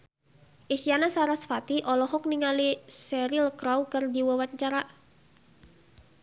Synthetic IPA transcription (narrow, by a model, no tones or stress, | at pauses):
ʔisianasaɾasfat̪iʔɔlɔɦɔk̚niŋalisɛɾilkɾawkərdiwəwaɲt͡ʃaɾa